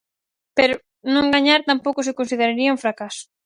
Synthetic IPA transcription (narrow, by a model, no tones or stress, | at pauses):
pɛɾʊ | nõŋɡaɲaɾt̪ampowkʊsɪkõnsið̞eɾaɾiɐuɱfɾakasʊ̥